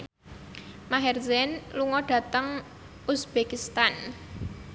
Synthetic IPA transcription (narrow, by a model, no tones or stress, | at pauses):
maɦɛrzɛnluŋɔɖ̥ä̤t̪əŋ | usb̥ekist̪an